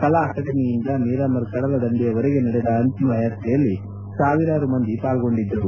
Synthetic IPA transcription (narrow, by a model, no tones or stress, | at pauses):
kɐlaːʈɐʈɐniːɲd͡ʒaːniːɾaːmɐɾkɐɽɐlɐd̪ɐnd̪ijɐʋɐɾɛɡenɐɽɛd̪ɐːnt̪imɐɐjat̪ʰːɛjɐlːi | saːʋiɾaːɾumɐnd̪ipaːlɡo̞ɳɖid̪ːɾɐʋu